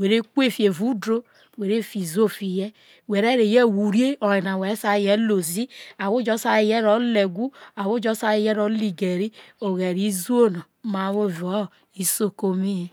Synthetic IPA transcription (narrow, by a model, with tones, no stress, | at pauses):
we˨ɾe˦ku˦e˦˨fi˨e˨vu˦dɾo˦ | we˨ɾe˦fi˨zo˦fi˨jɛ˦ | we˨ɾe˦ɾe˨je˦˨wu˨ɾi˦e˦ɔ˨ji˨na˨wɛ˨ɾsa˦˨jɛ˦lo˨zi˦a˨wo˦d͡ʒɔ˦sa˦i˨jɛ˦ɾɔ˨˦le˨ɡʷu˦a˨wo˦d͡ʒɔ˦sa˦i˨jɛ˦ɾɔ˦li˨ɡe˨ɾi˦o˨ɣɛ˨ɾi˨˦zu˦o˦nɔ˨ | ma˨˦wo˦˨vo˦˨ | i˦so˦ko˦mi˦je˨